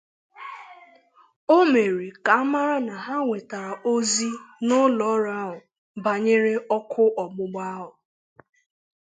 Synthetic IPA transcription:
o˦me˨ɾi˨ka˨a˦ma˦ɾa˦na˨ɦa˦ŋʷe˨ta˨ɾa˨o˦zi˦nʊ˦lɔ˦ɾa˦ɦʊ˨ | ba˨ɲe˦ɾe˦ɔ˦kʰʊ˦ʔɔ˨ɡ͡bʊ˦ɡ͡ba˦ɦʊ˨

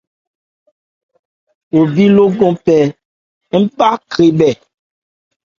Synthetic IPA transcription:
wo˨bi˦lo˦ɡɔ̃˦pɛ˨ | ŋ̩˦pa˦kɾi˨ɓɛ˨

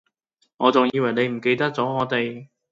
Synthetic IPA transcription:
ŋɔː˨˧t͡sʊ˨ŋjjiː˧wɐ˨˩jne˨˧jm̩˨˩ke˧jt̪ɐ˥k̚t͡sɔː˨˥ŋɔː˨˧t̪e˨j

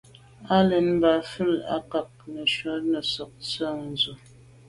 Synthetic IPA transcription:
a˦lɛ˨n˦ba˨fə˦˨la̰˦ka˨k̚nə˨ʃwə˨˦nə˨sɔ˨k̚t͡sə˦˨n̩˨zə˨

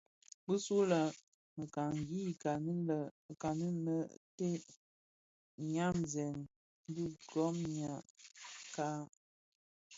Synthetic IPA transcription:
bə˦su˦lə˨ | mə˨ka˨ŋ˨ɡi˦˨ka˨nə˦lə˨ka˨nə˦lə˦te˦ | ɲa˦mzɛ˨n˦ | bi˦ɡɔ˦mɲa˨ka˦

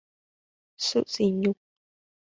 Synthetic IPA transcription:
sṵ˦ʔsi˧ɲũ˧˨k

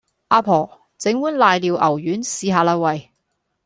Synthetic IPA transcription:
ʔaː˧pʰɔː˨˩ | t͡sɪ˨˥ŋwuː˨˥nlaː˨˧jliː˨˧wʔɐ˨˩wjyː˨˥nsiː˨˧ɦaː˨˧laː˧wɐ˨j

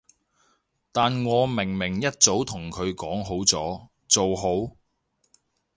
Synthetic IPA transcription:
t̪aː˨nŋɔː˨˧mɪ˨˩ŋmɪ˨˩ŋjɐ˥t̚t͡so˨˥wt̪ʰʊ˨˩ŋkʰɵ˨˧ɥkɔː˨˥ŋɦo˨˥wt͡sɔː˨˥ | t͡so˨wɦo˨˥w

